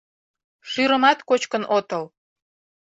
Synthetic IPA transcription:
ʃyɾəmɑt̪kot͡ɕkənʔot̪əl

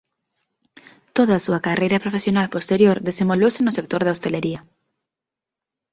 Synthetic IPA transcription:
t̪oðaːsuakarejɾɐpɾofesjonalpost̪eɾjoɾðesemolowsenʊsek̚t̪oɾðaost̪eleɾiɐ

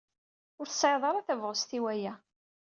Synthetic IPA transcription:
ʊɾθsʕeðˤɑɾˤaθævʁəst̪iwæjæ

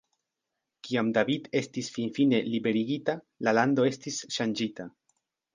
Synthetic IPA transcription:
kiamdavid̪e̞stisfinfine̞libe̞ɾiɡita | lalando̞e̞stisʃand͡ʒita

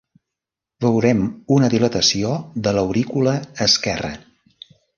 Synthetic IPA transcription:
βəwɾɛmunəðilət̪əsioðələwɾikuləːskɛrə̰

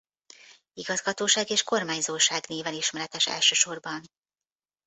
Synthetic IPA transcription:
iɡɒzɡɒt̪oːʃaːɡeːʃko̞rmaːɲzoːʃaːɡneːvɛliʃmɛɾɛt̪ɛʃɛ̰lʃøːʃo̞rbɒn

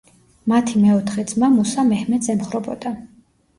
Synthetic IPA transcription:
mat̪ʰimɛɔt̪ʰχɛd̪zʼmamusamɛhmɛt̪sɛmχɾɔbɔd̪a

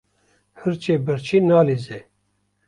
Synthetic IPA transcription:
hɨɾt͡ʃeːbɨɾt͡ʃʰinɑːlize

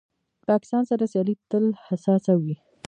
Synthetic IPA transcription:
pɑkɪ̥st̪ɑnsaɾasjɑlit̪əlhasɑsawi

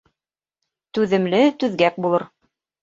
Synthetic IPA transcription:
t̪ʉðɘ̆mlɘt̪ʉðɡæk̚bulˠɤɾ

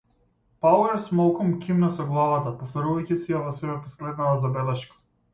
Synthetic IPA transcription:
pawɛɾsmalˠkɔmkʲimnasɔɡlˠavat̪apɔft̪ɔɾuvajcɛsijavɔsɛbɛpɔslɛd̪nat̪azabɛlɛʃkḁ

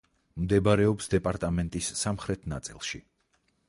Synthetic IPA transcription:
md̪ɛbaɾɛɔpsd̪ɛpʼaɾt̪ʼamɛnt̪ʼisːamχɾɛt̪ʰna̰t̪sʼḭlˠʃi

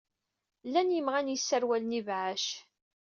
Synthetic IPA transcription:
lːænjəmʁænjəsːəɾwælənivʕaʃ

